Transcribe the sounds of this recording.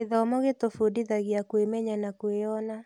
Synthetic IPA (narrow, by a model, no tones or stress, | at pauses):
eðɔmɔɣetofudiðaɣjakwemɛɲanakweɔna